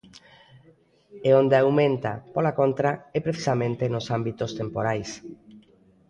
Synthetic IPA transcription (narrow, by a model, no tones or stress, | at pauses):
eond̪eawmẽnt̪a̰polakont̪ɾaɛpɾeθi̥samẽnt̪enosambit̪ost̪empoɾajs